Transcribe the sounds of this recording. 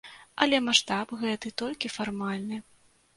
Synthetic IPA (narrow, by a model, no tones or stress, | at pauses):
ɐlʲɛmaʂt̪apɣɛt̪ɨt̪ɔlʲkʲifarmalʲnɨ